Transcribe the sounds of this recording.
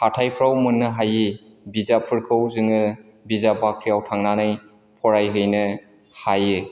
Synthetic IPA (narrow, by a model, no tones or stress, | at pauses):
hatʰajpʰɾawmɯnːɯɦaji | bizapʰɯɾkʰɯwzɯŋɯ | bizabakʰɾiawtʰaŋnanaj | pʰɔɾajɦɯjnɯ | hajɯ